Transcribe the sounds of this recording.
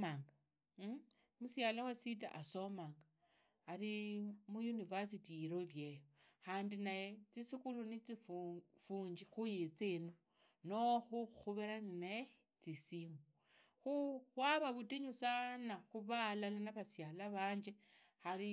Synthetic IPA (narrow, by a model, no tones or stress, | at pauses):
aŋɡa | musjalawasita̰ʔaso̞maːŋɡaː | ɾimujunivas̬itiiɾoβjejoxaːndinajet͡sisikulunit͡siffuːɲd͡ʒixujit͡seno | noxuxuβeɾaninaje | t͡sisimo | xuwaβaβutiɲusanaxuβalalanaβasjalaβaːɲd͡ʒe̞xaɾi